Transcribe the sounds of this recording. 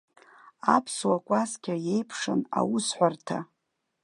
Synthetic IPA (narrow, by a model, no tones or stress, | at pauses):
apʰswakʷʼaskʲaje̞jpʰʂɨna̰wʊsħʷartʰa̰